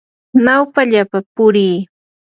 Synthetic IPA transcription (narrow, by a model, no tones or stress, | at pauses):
nawpaʎapapʊɾiː